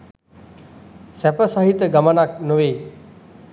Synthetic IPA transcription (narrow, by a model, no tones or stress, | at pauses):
sæpəsaɦit̪əɡamənak̚noʋeː